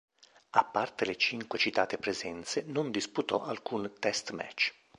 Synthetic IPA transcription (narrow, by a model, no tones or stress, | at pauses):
apːart̪elet͡ʃiŋkwet͡ʃit̪aːt̪epɾezɛnt̪senond̪isput̪ɔʔalkunt̪ɛst̪mɛ̰t͡ʃː